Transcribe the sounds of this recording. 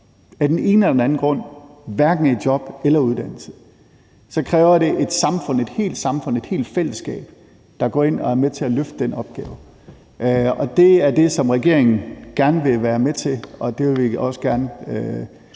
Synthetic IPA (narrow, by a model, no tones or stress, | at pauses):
æɐd̥ene̝ːnəɒd̥enæn̩ɡ̥ʁɔ̽n̰ʋæɐɡ̥n̩æd̥jɒ̽b̥elɐuðˠd̥æn̰l̩sə̥ | sɒ̽kʰʁɛːʊɐɾe̝ʔe̝d̥sɑ̈mfɔ̽n̰e̝d̥he̝̰ːld̥sɑ̈mfɔ̽ne̝d̥he̝̰ːld̥fel̰əsɡ̥ɛ̰ːb̥ | d̥ɑ̈ɡ̥ɒ̰ːe̝n̰ɒ̽æɐmet͡sʰe̝æløfd̥əd̥enɒ̽b̥ɡ̥ɛːʊ | ɒ̽d̥e̝æɐd̥e̝sɒ̽mʁɛɡ̥e̝ɐ̰eŋn̩ɡ̥æɐnəʋe̝ʋæːɐmet͡sʰe̝ɒ̽d̥e̝ʋeʋiɒ̽səɡ̥æɐnəø